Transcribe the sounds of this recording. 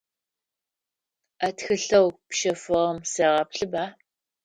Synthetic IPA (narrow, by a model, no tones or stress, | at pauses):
ɐtxɨɬɐwpʃɐfɨʁɐmseːʁɐpɬɨbaː